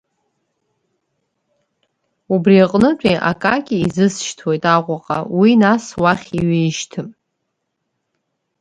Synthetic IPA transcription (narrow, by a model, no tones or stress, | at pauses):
ubriaqʼnɨtʷʰʼejʔa̰kʼakʲʼiizɨsʃtʰwe̞jtʼaqʷʼaqʼa̰winaswaχʲiɥejʃtʰɨm